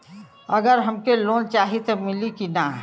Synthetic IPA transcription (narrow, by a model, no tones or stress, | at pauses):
əɡəɾɦəmkeloːnt͡ʃaːɦit̪omɪlikina